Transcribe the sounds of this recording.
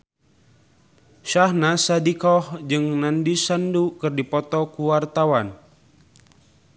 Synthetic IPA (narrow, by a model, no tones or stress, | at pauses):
ʃahnasadikɔhd͡ʒɨŋnandisandukɨrdipɔt̪ɔkuwart̪awan